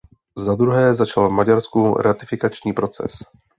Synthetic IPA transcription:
zad̪ɾuɦɛːzat͡ʃalvmaɟaɾskuɾat̪ɪfɪkat͡ʃɲiːpɾo̞t͡sɛ̰s

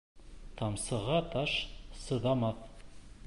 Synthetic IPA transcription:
t̪ʰɑmsɤ̆ʁɑt̪ɑʃsɤ̆ðɑmɑθ

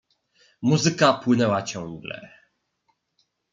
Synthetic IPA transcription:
muzɘkapwɘnɛwat͡ɕɔ̃ŋɡlɛ̰

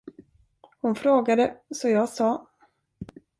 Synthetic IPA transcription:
hʊnfɾoːɡad̪əsɔjɑːsɑː

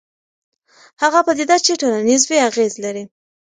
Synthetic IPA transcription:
haɣapəd̪ɪd̪at͡ʃeʈolanizwiaɣezlaɾi

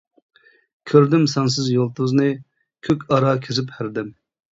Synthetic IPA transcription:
kʲʰøɾd̪ymsɑns̬ɨzjolˠt̪uznɨ | kʲʰøkʲʰɑɾɑkʲʰizɪphæɾd̪ɪm

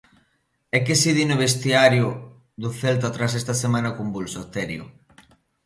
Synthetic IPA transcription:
ɛkesiðinoβest̪iaɾjʊ | ðʊθelt̪at̪ɾas̬est̪asemãnakumbulsot̪ɛɾjʊ̰

